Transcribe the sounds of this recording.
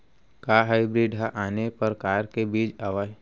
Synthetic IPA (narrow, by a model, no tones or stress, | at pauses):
kaːɦaɪbɾiːɖɦaʔaːnepəɾkaːɾkebiːd͡ʒaːʋa